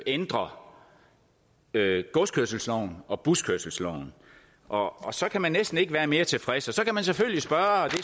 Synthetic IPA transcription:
end̥ʁɐ | øɡ̥ɔskʰøɐ̰s̬l̩slɒʊ̰n̩ɒ̽b̥uskʰøɐ̰sl̩slɒʊ̰n | ʔɒːsɒ̽kʰæmænːesd̥n̩e̝ɡ̥ʋæːɐme̝ːɐt͡sʰe̝fʁɛsɒ̽sɒ̽kæmænseføl̰isb̥ɶːɐd̥e̝

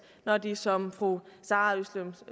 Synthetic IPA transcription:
nɒd̥isɒ̽mfʁusɑ̈ːyslem

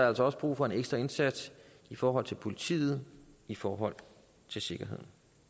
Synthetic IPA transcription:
ælsɒɒ̽səb̥ʁṵːfɒ̽e̝neɡ̥sd̥ʁɐe̝nsæd̥s | ifɒːɦɒ̽l̰t͡sʰe̝lpʰo̝lit͡sʰḭːð̞̩ˠifɒːɦɒ̽l̰ | t͡sʰe̝lse̝ɡ̥ɐe̝ð̞̰ˠn̩

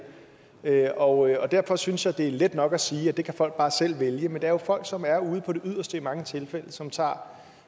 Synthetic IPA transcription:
øɒ̽ɒ̽d̥æɐfɒ̽synsjɑ̈d̥e̝æɐled̥nɒ̽ɡ̥æsiːæd̥e̝kʰæfɒ̽l̰ɡ̥̚b̥ɑ̈ːsel̰ʋeljəmend̥eæɐjo̝fɒ̽l̰ɡ̥sɒ̽mæɐuːð̞̩ˠpʰɒ̽ɾe̝ʔyð̞̰ˠɐsd̥əimɑ̈ŋət͡sʰe̝lfel̰əsɒ̽mt͡sʰɑ̰̈ː

